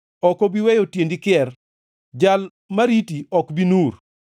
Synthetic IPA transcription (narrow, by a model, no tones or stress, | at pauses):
ɔkɔbiwejotjendikɪɛr | d͡ʒal | maɾitiɔkbinuɾ